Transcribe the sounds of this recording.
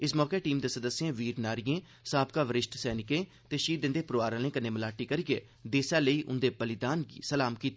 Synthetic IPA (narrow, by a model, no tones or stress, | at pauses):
ɪsmɔːkeːʈiːmd̪eːsəd̪əsːjẽːʋiːɾnaːɾijẽː | saːb̚kaːʋəɾɪʃʈsɛːnɪkẽː | t̪eːʃiːd̪ɪ̃nd̪eːpɾoʋaːɾãːlẽːkənːẽːməlaːʈiːkəɾiɡeː | d̪eːsaːləiːʔʊ̰nd̪eːbəlɪd̪aːnɡḭːsəlaːmkiːt̪ː